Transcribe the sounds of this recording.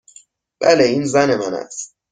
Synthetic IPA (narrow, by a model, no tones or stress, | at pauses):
b̥æleiːnzæne̞mænæ̰s